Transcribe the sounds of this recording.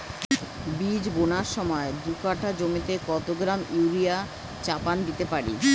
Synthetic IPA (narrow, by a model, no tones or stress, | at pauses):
bid͡ʑbonaɾʃɔmɔed̪ukaʈʰad͡ʑomit̪ekɔt̪oɡɾamiɾia | t͡ɕapand̪it̪epaɾḭ